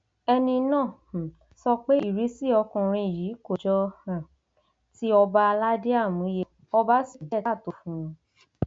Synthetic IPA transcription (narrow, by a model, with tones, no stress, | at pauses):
ɛ˧nĩ˧nãː˦˨ | sɔ˧k͡pe˦i˦˨ɾi˨˦si˦˨ɔ˧kɔ̃˨ɾ̃ĩ˧i˨ji˨˦ko˨d͡ʒɔ˧hã˨ | ti˦ɔ˧ba˦a˧la˦de˦a˦˨mũ˨˦je˧ | ɔ˧ba˦si˦˨d͡ʒɛ˨˦˨to˨fũ˨˦ũ˧